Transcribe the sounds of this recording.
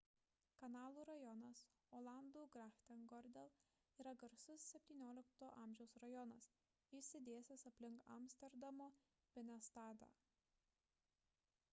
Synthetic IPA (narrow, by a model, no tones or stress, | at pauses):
kɐnɑːlˠuːɾɐjɔnɐs | oːlˠɐˑnd̪uːɡɾɑxt̪ʲɛnɡɔɾʲd̪ʲɛlˠ | iːɾɐɡɐɾsʊsːʲɛpʲt̪ʲiːnʲoːlʲɪkt̪oːʔɐːˑmʲʒʲɛʊsɾɐjɔnɐs | isʲɪd̪ʲeːsʲɛsɐpʲlʲɪŋkɐ̰mʲsʲt̪ʲɛɾd̪ɐmoː | pʲɛnʲɛst̪ɑːd̪ɑ̰ː